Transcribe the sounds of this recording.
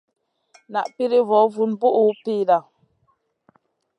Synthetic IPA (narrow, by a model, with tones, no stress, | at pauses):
na̰˨ʔpi˦ɾi˦vɔ˨˦vu˨nbu˦ʔu˨˦pi˦da˨